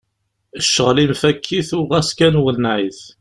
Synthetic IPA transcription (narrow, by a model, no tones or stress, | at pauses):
əʃːəʁlimfækʰːiθʊʁæskænwəlnʕiθ